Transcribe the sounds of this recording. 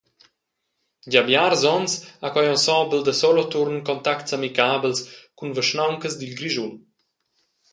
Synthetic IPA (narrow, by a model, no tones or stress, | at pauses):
ɟabjaɾzɔnsakwajɔnsɔbəld̪əsɔlɔt̪uɾnkɔnt̪aktsamikabəlskunvəʃnawŋkəzd̪ilɡɾiʒun